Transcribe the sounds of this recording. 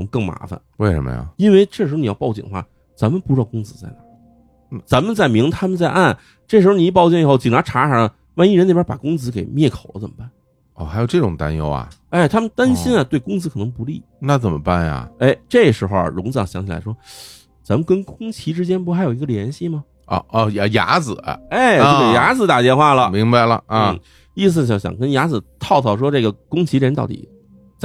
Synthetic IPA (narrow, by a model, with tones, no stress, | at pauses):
kɤ˥˩ŋma̰˧˥fa̰˧nwe˥˩ɪʂə̰˧˥mə̰ja̰˨˩i˥nwe˥˧ɪʈ͡ʂɤ˥˩ʂɻ̩˧˥˧n˨˩jpɑ˥˧ʊt͡ɕḭ˨˩ŋə̰˦xwa̰˥˩ | t͡sa˧˥mə˧pu˥˧ʈ͡ʂɻ̩˧˥ɑ˧˩˧kʊ˥ŋt͡sɹ̩˧t͡sa˥˩ɪna˥˩˨ | t͡sa˧˥nmə˨nt͡sa˥˩ɪmi˧˥ŋt̪ʰa˥mə˧nt͡sa˥˧ɪʔa˥˩n | ʈ͡ʂɤ˥˩ʂɻ̩˧˥˧ni˧˥˩pɑ˥˧ʊt͡ɕjɛ˥˩˨xo˥˩ʊt͡ɕi˨˩ŋnʰa˧˥ʈ͡ʂʰa˧˥ʂɑ˨˥ə˧ | wa˥˧ni˥˩ɻne˥˩bjpa˨˩kʊ˥ŋt͡sɹ̩˧˥ke˨˩ɪmjɛ˥˩kʰo˨˩ʊlə˦t͡sə˨˩mə˦pa˥˩n | ɔ˥˩xa˧˥ɪjo˨˩ʈ͡ʂɤ˥˩ʈ͡ʂʊ̰˨˩ŋt̪a̰˥njo̰˥ʊɐ̰˩ | e˥˩ɪt̪ʰa˥mə˨nt̪a˥nɕi˥nɐ˨t̪we˥˩ɪkʊ˥ŋt͡sɹ̩˧˥kʰɤ˨˩nɤ˧˥ŋpu˧˥lḭ˥˩na˥˩t͡sə˨˩mə̰˦pa˥˩njɐ̰˨˩e˥˩ɪʈ͡ʂɤ˥˩ɡə˩ʂɻ̩˧˥xo˧˩ə̰˩ɻʊ˧˥ŋt͡sɑ˥˧˩ŋɕjɑ˧˥ŋt͡ɕʰla̰˧˥ɪʂwɔ˥ | t͡sa˧˥mə˧nkə˥nkʊ˥ŋt͡ɕʰi˧˥ʈ͡ʂɻ̩˥t͡ɕjɛ˥np̬u˧˥xa˧˥ɪjo˨˩ʊi˧˥ɡə˧ljɛ˧˥nɕi˥˩mɐ˩ | ɔ̰˧˩˥jja̰˧˥d͡zɹ̩˨˩˦ɐ̰˧e˥˩ɪ˥˧˥ke˨˩ja˧˥d͡zɹ̩˧˩t̪a˨˩t̪jɛ˥˧nxwa˥˩lə˩mi˧˥ŋba˧ɪlə̰˨˩˥ | i˥˩s̬ɹ̩˧˩ɕjɑ˧˩ŋɕjɑ̰˨˩ŋkə˥nja˧˥d͡zɹ̩˨˩t̪ʰɑ˥˧ʊt̪ʰɑ˥˩ʊʂ̬wɔ˥ʈ͡ʂɤ˥˩ɡə˩kʊ˥ŋt͡ɕʰi˧˥˧ə˥nt̪ɑ˥˩ʊt̪ḭ˨˩ | t͡sa˥